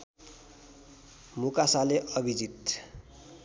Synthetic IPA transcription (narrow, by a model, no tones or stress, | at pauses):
mukasaleʔʌbʱid͡zit̪